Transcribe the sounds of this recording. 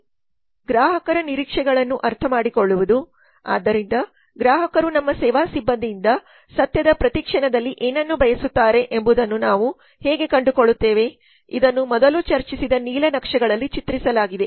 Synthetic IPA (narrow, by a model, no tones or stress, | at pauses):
ɡɾaːɦɐkɐɾɐniɾiːkʂɛɡɐɭɐnːuʔɐɾt̪ʰɐmaːɽikoɭːuʋud̪u | a̰ːd̪ːɐɾind̪ɐ | ɡɾaːɦɐkɐɾunɐmːɐsɛːʋaːsibːɐnd̪ijːnd̪ɐ | sɐt̪jɐd̪ɐpɾɐt̪ikʂɐɳɐd̪ɐlːiʔeːnɐnːubʱɐjɐsut̪ːaːɾe̞ʔembud̪ɐnːunaːʋu | heːɡe̞kɐɳɖukoɭːut̪ːeːʋe̞ | ḭd̪ɐnːumɔd̪ɐlut͡ʃɐɾt͡ʃisid̪ɐniːlɐnɐkʂɛɡɐɭɐlːit͡ʃit̪ɾisɐlaːɡid̪e̞